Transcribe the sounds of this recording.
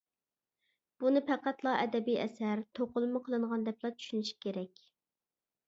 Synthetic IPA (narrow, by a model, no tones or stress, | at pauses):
b̥unɨpʰæqæt̪lˠɑʔɛd̪ɛbijɛ̰sæɾt̪ʰoqʊlˠɨmʊqʰəlˠɨɴʁɑnd̪ɛplˠɑt͡ʃʰy̥ʃynyʃi̥kʲeɾɛkʲ